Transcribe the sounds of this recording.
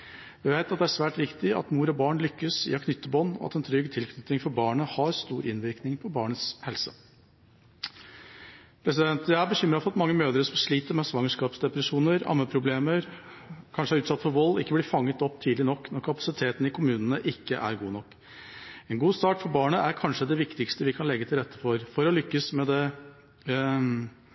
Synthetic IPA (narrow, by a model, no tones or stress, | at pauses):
ʋɪʋæɪt̪ɑt̪̚d̪ɛæʂʋæːʈɾɪkt̪ɪɑ̰t̪muːɾɔbɑːɳlʏkːəsḭːɑkʰnʏt̪ːəbɔnːɔ̰ɑ̰t̪ɛnt̪ʰɾʏɡt̪ʰɪlkʰnʏt̪ɪŋfɔɾbɑːɳəhɑɾst̪uːɾʔɪnʋɪɾknɪŋpʰɔbɑːɳət̪shɛlsə | pʰɾɛsɪd̪ɛnt̪jæbəçʏmɾɑfɔɾɑt̪mɑŋːəmøːd̪əɾəsɔmʂɭiːt̪əɾmɛsʋɑŋəʂkɑːpsd̪ɛpɾɛʂuːnəɾɑ̰ːməpʰɾʊbleːməɾ | kʰɑnʂəæɾʉːt̪sɑt̪ːfɔɾʋɔlːɪkːəblɪɾfɑŋːət̪ɔpːt̪ʰiːd̪lɪnɔkːnɔɾkʰɑpɑsɪt̪ʰeːt̪n̩ɪkʰʊmʉːnənəʔɪkːəʔæ̰ɾɡuːnɔkː | ɛnɡuːst̪ɑːʈfɔɾbɑːɳəæɾkʰɑnʂəd̪ɛʋɪkt̪ɪkst̪əʋɪkʰɑnlɛɡːət̪ʰɪlɾɛt̪ːə̥fɔɾfɔɾɔlʏkːəsmɛd̪ɛ